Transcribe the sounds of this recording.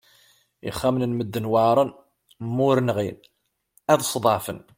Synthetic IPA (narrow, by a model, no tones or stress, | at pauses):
ḭχːæmnənməd̪ːənwəʕɾˤən | mːʊɾənʁin | æðsˤd̪ˤɑʕfə̰n